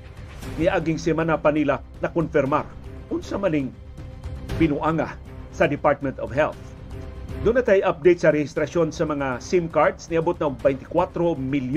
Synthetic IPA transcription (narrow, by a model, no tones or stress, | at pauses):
mɪʔaɡɪŋsɛmanapɐnila | nɐkonfɪɾma̰ɾʔʊnsamɐnɪŋ | bɪnʊʔaŋa̰ | sɐd̪ɪpaɹt̪̚mɛnt̪ɔvhɛlθ | d̪ʊnɐt̪ɐjʔɐp̚d̪ɛjt̪sɐɾɛhɪst̪ɾɐʃo̞nsɐmɐŋasimkaɹd̪snɪʔɐbot̪̚nɐʔʊɡ̚bɛjnt̪ɪ̥kwat̪ɾomɪlj